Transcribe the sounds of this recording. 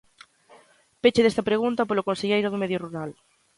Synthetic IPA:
pet͡ʃeðest̪ɐpɾeɣunt̪ɐpolokonseʎejɾʊðʊmeðjoruɾal

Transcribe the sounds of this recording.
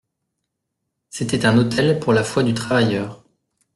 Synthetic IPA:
set̪ɛt̪ɛ̃not̪ʰɛlpuʁlafwad̪yt̪χavajœːʁ

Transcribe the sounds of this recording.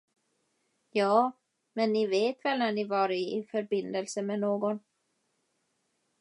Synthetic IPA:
jɑː | mɛnːɪveːt̪vɛlnæɳɪvɑːɾɪːfœɾbɪnd̪əlsəmɛnoːɡɔn

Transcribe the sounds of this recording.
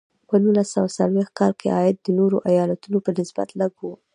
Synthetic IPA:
pənulasawasalwext̪̚kɑlkʰḛʔɑjɪd̪̚ːənoɾoʔajɑlat̪unopənɪsba̰t̪laɡu

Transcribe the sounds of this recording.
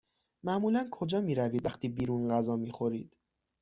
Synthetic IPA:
mæʔmuːlænkʰo̞d͡ʒɒːmiːɾæviːd̪væχt̪ʰiːbiːɾunɢæzɒːmiːxo̞ɾiːd̪̥

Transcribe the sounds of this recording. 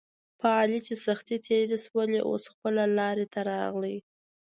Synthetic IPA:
pʰəɑlit͡ʃesaxt̪it̪ʰeɾeswəleʔo̰sxpəlalɑɾet̪aɾɑɣləj

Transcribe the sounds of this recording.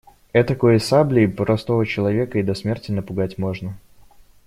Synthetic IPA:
ɛt̪əkojəsablʲɪːpɾɐst̪o̞vət͡ɕɪlˠɐvʲe̞kəid̪ɐsmʲe̞rtʲɪnəpʊɡatʲmo̞ʐnə

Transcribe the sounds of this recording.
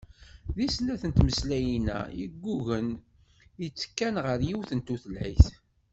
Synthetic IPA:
ðisnæθənt̪məslæjinæ̰jiɡʷːuʝən | ət͡sːkːænʁəɾjiwθənt̪uθəlʕiθ

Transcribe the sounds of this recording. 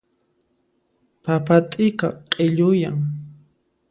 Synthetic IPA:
papat̪ʼɪkaqʼeʎʊjaŋ

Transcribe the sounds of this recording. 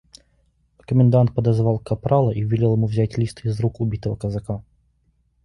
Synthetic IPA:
kəmʲɪnd̪ant̪̚pɐd̪ɐzvalˠkɐpɾalˠɐʔivʲɪlʲelˠjɪmuvzʲatʲlʲist̪ɨizɾukʊbʲit̪əvɐkɐzɐka

